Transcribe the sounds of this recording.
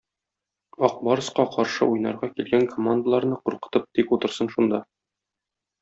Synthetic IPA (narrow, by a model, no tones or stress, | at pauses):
ɒq̚bɒɾɤ̆sqɑqɒɾʃɤ̰ʔujnɑɾʁɑkilɡæŋkʰomand̪əlˠɑɾnɤquɾqɤ̥̆t̪ɤp̚t̪ikut̪ɤ̆ɾsɤnʃund̪ɑ